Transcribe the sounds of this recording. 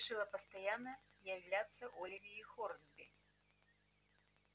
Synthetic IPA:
ʂɨlˠɐpɐst̪ajanːɐjjawlʲat̪sːɐʔulʲvʲiːxɔɾnbʲi

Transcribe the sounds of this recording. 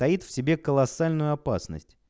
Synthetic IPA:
t̪ɐit̪fsʲɪbʲe̞kəlˠɐsalʲnʊjʊɐpa̰snə̰sʲtʲ

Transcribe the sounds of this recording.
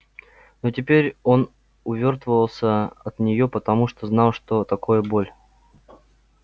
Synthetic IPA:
notʲɪpʲeɾʲo̞n | ʊvʲo̞rt̪vəvəlˠsʲəɐt̪nʲɪjopət̪ɐmuʂt̪oznɑlˠʂt̪o̞t̪ɐkojəbo̞lʲ

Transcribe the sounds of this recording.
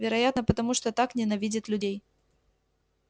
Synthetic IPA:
vʲɪɾɐjat̪nəpət̪ɐmuʂt̪ot̪aknʲɪnɐvʲidʲɪt̪lʲʉdʲej

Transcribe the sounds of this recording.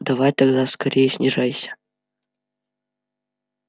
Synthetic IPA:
d̪ɐvajt̪ɐɡd̪askɐɾʲejəsʲnʲɪʐajsʲə̥

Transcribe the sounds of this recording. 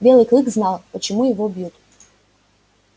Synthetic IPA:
bʲelˠɨklˠɨkznalˠpət͡ʃɪmujɪvobjut̪

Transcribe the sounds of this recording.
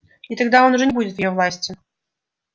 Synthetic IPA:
it̪ɐɡd̪aonuʐɛnʲɪbudʲɪt̪vjɪjovlˠasʲtʲɪ

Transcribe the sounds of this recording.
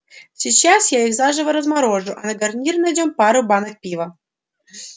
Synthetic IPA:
sʲit͡ɕːasjaixzaʐɨvəɾəzmaɾoʐʊʔanɐɡarnʲirnədʲompɑɾubɑnək̚pʲivə

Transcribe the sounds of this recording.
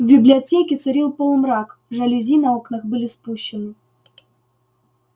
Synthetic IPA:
vʲbʲɪblʲɪɐtʲekʲɪt̪sɨɾʲilˠpolˠmɾakʐɐlʲɪzʲinɐoknəxbɨlʲɪspuɕːɪnɨ

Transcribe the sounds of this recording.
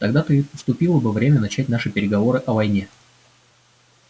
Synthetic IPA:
t̪ɐɡd̪at̪ɨipəst̪ʊpʲilˠəbɨvɾʲemʲənɐt͡ɕætʲnaʂɨpʲɪɾʲɪɡɐvo̞ɾɨʔɐvɐjnʲe̞

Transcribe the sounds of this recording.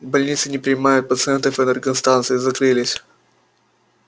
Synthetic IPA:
bɐlʲnʲit̪sɨnʲɪpɾʲɪnʲɪmajʊt̪̚pət̪sɨɛnt̪əfɛnɛrɡənst̪ant̪sɨɪzɐkɾɨlʲɪsʲ

